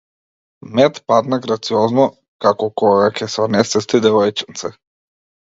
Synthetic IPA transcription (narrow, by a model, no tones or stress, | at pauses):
mɛt̪pad̪naɡɾat̪siɔznɔ | kakɔkɔɡakʲɛsɔnɛsɛst̪id̪ɛvɔjt͡ʃi̥nt̪sɛ